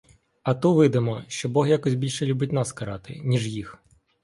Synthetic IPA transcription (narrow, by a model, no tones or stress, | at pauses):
ɐt̪uʋɪd̪ɪmɔʃt͡ʃɔbɔɦjakɔsʲbʲilʲʃɛlʲubɪt̚ʲnɑskɐɾɑt̪ɪ̰nʲiʐjix